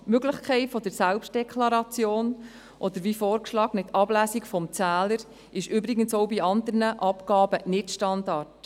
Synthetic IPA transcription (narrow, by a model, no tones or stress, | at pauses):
møɡləχkʰɛɪtfɔd̥əɾsælpʃt̚dɛkʰlɑɾɑt͡sjoːn | ʔɔd̪əɾvifoːɾkʃlɑːɡnɪtɑblæːsikfɔmt͡sæːləɾ | ɪʃʏbɾɪɡənsɔwbiɑnd̪əɾnəʔɑpɡɑːbənɪtʃtɑndɑrt